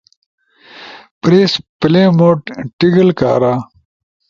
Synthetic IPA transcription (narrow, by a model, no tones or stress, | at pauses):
pɾeːspleːmoːʈʈiɡɐlka̰ːɾaː